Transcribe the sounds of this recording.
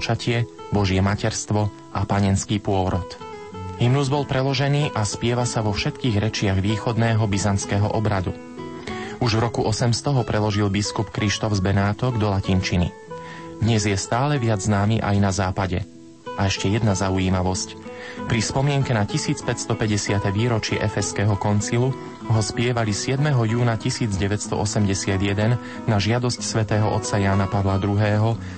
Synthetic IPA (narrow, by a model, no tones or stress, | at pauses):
t͡ʃacʰɪɛbɔʒɪɛmacɛɾst̪ʋɔ | ʔapaɲɛnskiːpʊɔɾɔt̪ | ɦimnuzbɔlpɾɛlɔʒɛniːʔaspɪɛʋasaʋɔfʃɛt̪kiːɣɾɛt͡ʃɪaɣʋiːxɔd̪nɛːɦɔbizant͡skɛːɦɔ̰ʔɔbɾad̪u | uʒvɾɔkuʔɔsɛmst̪ɔɦɔpɾʔɛlɔʒilbiskupkɾiʃt̪ɔfzbɛnaːt̪ɔɡd̪ɔlacint͡ʃinḭ | d̪ɲɛzjɛst̪aːlɛʋɪad͡zznaːmiʔajnazaːpaɟɛ̰ | ʔaɛʃcɛjɛd̪nazauiːmaʋɔscpɾispɔmɪɛŋkɛnacisiːt͡spɛcst̪ɔpɛɟɛsɪat̪ɛʋiːɾɔt͡ʃɪɛ̰ʔɛfɛskɛːɦɔkɔnt͡silu | ɦɔspɪɛʋalisɪɛd̪mɛɦɔjuːnacisiːd͡zɟɛʋɛcst̪ɔ̰ʔɔsɛmɟɛsɪad̪jɛd̪ɛnː | aʒɪad̪ɔscsʋɛt̪ɛːɦɔʔɔ̰t̪t͡sajaːnapaʋlad̪ɾuɦɛːɦɔ